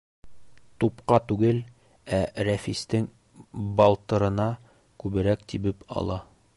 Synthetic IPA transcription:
t̪upqɑt̪ʉɡɘl | æɾæfist̪ɘŋ | bɑlˠt̪ɤ̆ɾɤ̆nɑ | kʉβɘ̆ɾækt̪ibɘpʰɒ̰lˠɑ

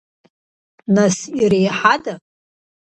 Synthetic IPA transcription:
nasirejħada

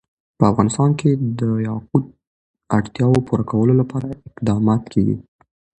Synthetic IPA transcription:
pəafɣɑnɪst̪ɑnkʰed̪əjɑq̚ud̪̚ | aɽt̪jɑwopuɾakawəlolapɑɾaɪqd̪ɑmɑt̪kʰeɡḭ

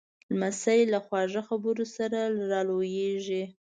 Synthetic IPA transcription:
lmasajlaxwɑʐəxabəɾosaɾalɾɑlojeʒi

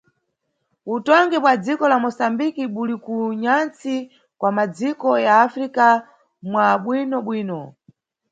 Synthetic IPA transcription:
utɔŋɡɛpwad͡zikɔlamɔsambikiɓulikuɲant͡si | kwamad͡zikɔjaːfɾika | mwaɓwinɔɓwiːnɔ

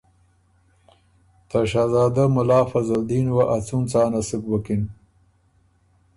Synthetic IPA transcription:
t̪aʃaːzaːd̪amʊlaːfɐzɐld̪iːnwaʔɐt͡sunt͡saːnɐsɨkwɐkin

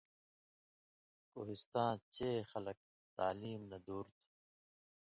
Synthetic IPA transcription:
ko̰ːɦist̪ãːt͡ɕeːxɐlɐk̚ | t̪aːliːmnɐd̪uːɾt̪ʰi̥

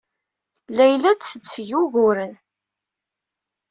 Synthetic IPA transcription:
læjlæd̪θət͡sːjuʝʊɾən

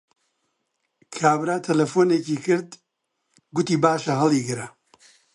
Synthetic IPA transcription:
kʰaːbɾaːt̪ʰɐlɐfoːneːciːkɨɾd̪ | ɡʊt̪iːbaːʃɐɦɐlˠiːɡɨɾɐ

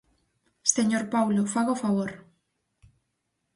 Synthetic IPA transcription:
seɲoɾpawlofaɣofaβoɾ

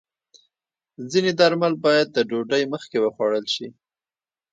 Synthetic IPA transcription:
zined̪aɾmalbɑjad̪̚ːəɖoɖəjməxkewəxwɑɽəlʃi

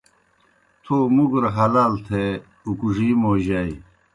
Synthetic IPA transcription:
t̪ʰoːmuɡɾɐɦɐlaːlt̪ʰe | ukuʐimoːʑai

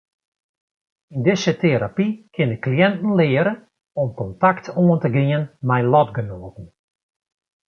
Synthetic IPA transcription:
indɪsətʰeɾapikʰɪnəklijɛntn̩lɪːəɾə | ɔmkɔntaktʰoəntəɡiənmɛjnlɔtɡənoːtn̩

